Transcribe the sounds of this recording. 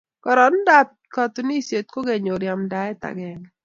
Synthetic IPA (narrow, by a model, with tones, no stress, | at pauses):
kɔ˨ɾɔ˨˦n˦da˨p̚ | kɔ˨t̪ni˦sje˨t̪̚ko˦ɡɛ˨ɲo˨ɾja˨mda˨˦ɛ˦ta̰˨ɡɛ˨ŋ